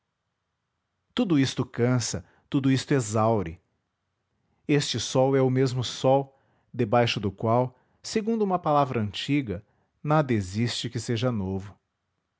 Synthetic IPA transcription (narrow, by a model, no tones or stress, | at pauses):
t̪ud̪ʊist̪ʊkɐ̃sɐ | t̪ud̪ʊist̪ʊɛzawɾɪ | est͡ʃɪsɔwɛʊmezmʊsɔw | d̪ebajʃʊd̪ʊkwaw | seɡũnd̪ʊũmɐpalavɾɐɐ̃nt͡ʃiɡɐ | nad̪ɐezist͡ʃɪkɪseʒɐnovʊ